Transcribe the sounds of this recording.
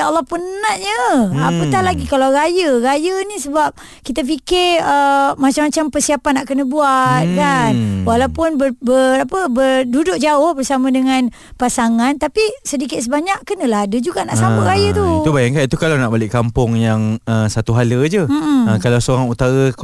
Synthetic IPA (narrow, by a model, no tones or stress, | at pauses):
alːɔhpənnaʔɲə̃apət̪ahlaɡikalawɾajəɾajənĩsəbap̚ | kit̪af̬ikɪrəmat͡ʃamːat͡ʃampərsiapanːaʔkənəbuat̪̚kanwalawpʊnbəbəapəbərdudʊʔ̚d͡ʒaʊhbərsamə̃dəŋan | pasaŋant̪apisədikɪt̪̚s̬əbaɲaʔkənə̃laɦadəd͡ʒuɡaʔnaʔsapəʔɾajət̪ut̪ubajaŋkanit̪ukalawnaʔbalɪʔkampʊŋjaŋəsat̪uɦaləd͡ʒəm̩ʔm̩əkalawsəoɾaŋut̪aɣə